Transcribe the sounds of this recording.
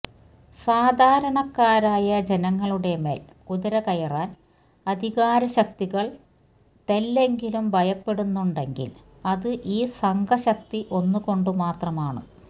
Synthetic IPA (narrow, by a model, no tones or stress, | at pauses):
saːd̪ʱaːɾɐɳɐkːaːɾaːjɐd͡ʑe̞nɐŋːɐɭuɽe̞me̞̰ːl | kuðɐɾɐkɐjɐraːn | ɐd̪ʱiɣaːɾɐɕɐkt̪iɣɐɭ | t̪e̞lːe̞ŋɡilumbʱɐjɐpːe̞ɽunːuɳɖe̞ŋɡḭl | ɐðɨʔiːsɐŋɡʱɐɕɐk̚t̪iʔo̞nːuko̞ɳɖumaːt̪rɐmaːɳɨ̰